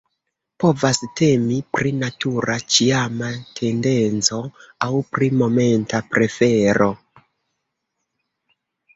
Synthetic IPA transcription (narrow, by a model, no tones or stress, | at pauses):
po̞vaste̞mipɾinatuɾʔat͡ʃiamatʰe̞nde̞nt͡so̞awpɾimo̞me̞ntapɾe̞fe̞ɾo̞